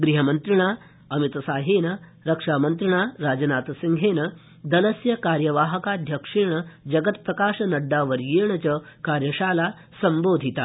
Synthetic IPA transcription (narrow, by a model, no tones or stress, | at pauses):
ɡɾiɦɐmənt̪ɾiɳ̃a | ɐmit̪ɐsaːɦeːnɐɾɐkʂaːmənt̪ɾiɳ̃aɾaːd͡ʑɐnaːt̪ɐsɐŋɡʱeːnɐ | d̪ɐlɐsjɐkaːɾjɐʋaːɦɐkaːd̪ʱjɐkʂiɳ̃əd͡ʑɐɡət̪pɾɐkaːʂɐnɐɖːaːʋəɾjeɳɐt͡ɕɐkaːɾjɐʂaːla | sɐmboːd̪ʱit̪a